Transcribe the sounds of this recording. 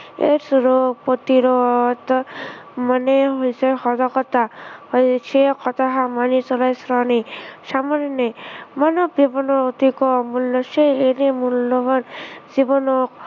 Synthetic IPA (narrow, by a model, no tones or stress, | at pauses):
ḛɾsɾopɔt̪iɾɔt̪ | mɔneɦojsehɔd̪ɔkɔt̪ahɔjt͡ʃʰekɔt̪aɦamanit͡ʃɔlajsɾɔnisamɔɾnemanɔbibɔnɔd̪ikɔmulːɔseenemulːɔbɔnd͡ʒibɔnɔ